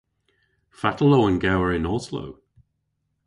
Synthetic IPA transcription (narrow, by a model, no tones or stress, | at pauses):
fatʰəlowənɡɛwəɹɪnɔːslo̰w